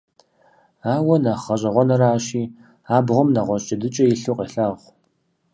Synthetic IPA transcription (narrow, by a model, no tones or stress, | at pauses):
aːwɔnaχɐɕʼɐʁʷɔnɐɾaːɕiː | aːbʁʷɔmnɐʁʷɔɕʼɐdɨt͡ʃʼɐjiɬuqʼeɬaʁʷ